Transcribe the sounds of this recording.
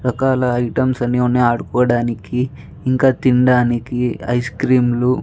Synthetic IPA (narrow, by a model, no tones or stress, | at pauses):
ɾɐkaːlɐɐjʈɐmsɐniunːiaːɽukɔːɽaːnikiː | ŋkaːt̪iɳɖaːnikiɐ̰jskɾiːmlu